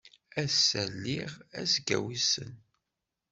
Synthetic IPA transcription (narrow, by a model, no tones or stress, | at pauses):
æsːælːiʁæsɡæ̰wisə̰n